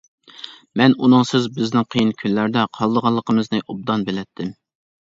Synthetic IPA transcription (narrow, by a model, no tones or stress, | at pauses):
mɛnunɨŋsɪzbɪznɪŋqʰəjinkʲʰynlæɾd̪ɛqʰɑlˠd̪əʁɑlˠːəqʰəmɨznɨʔob̚d̪ɑnbelɛt̪ʰːɪm